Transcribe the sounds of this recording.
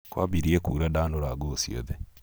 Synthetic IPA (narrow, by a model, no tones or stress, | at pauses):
kwa̰βiɾiekuːɾadaːnoɾaɡosio̰ðe